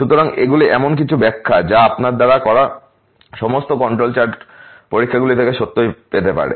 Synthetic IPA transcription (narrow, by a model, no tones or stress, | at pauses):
ʃut̪oɾaŋeɡuliʔɛmonk̬it͡ɕʰubɛkʰːad͡ʑaapnaɾd̪aɾakɔɾa | ʃɔmost̪okɔɳʈɾolt͡ɕaɾʈ | poɾikʰːaɡulit̪ʰekeʃot̪ːojpet̪epa̰ɽḛ